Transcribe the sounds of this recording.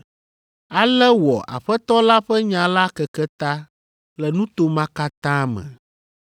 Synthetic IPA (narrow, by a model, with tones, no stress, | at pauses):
a˨lɛ˦wɔ˨ʔa̰˨ɸɛ˦t̪ɔ˦la˦ɸɛ˦ɲã˨la˦kɛ˨kɛ˦t̪a˦ | lɛ˨nũ˦t̪o˦mã˦ka˦t̪ã˦mɛ̰̃˨